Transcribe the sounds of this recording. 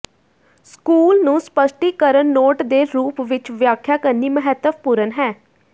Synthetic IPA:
skuːlnũːspəʃʈiːkəɾənːoːʈd̪eːɾuːpʋɪt͡ʃʋjaːkʰːjaːkəɾniːməɦɛt̪ːəpuːɾənɦɛː

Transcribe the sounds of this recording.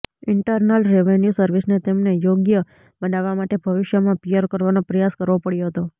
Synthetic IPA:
ɪɳʈəɾnəlɾeʋenjusəɾʋisnet̪emnejoɡjə | bənaʋamaʈebʱəʋɪʃjəmãpijəɾkəɾʋanopɾəjaskəɾʋopəɽjoɦət̪o

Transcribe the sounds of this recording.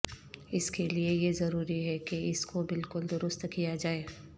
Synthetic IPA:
ɪskeliejezɐɾuːɾiɦɛkeɪskobɪlkʊld̪ʊɾʊst̪kijad͡ʒaːeː

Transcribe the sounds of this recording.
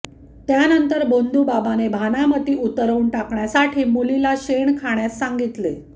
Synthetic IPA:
t̪janənt̪əɾbond̪ʱuːbabanebʱanamət̪iːut̪əɾəuɳʈakɳjasaʈʰiːmulilaɕeɳkʰaɳjasːaŋɡit̪le

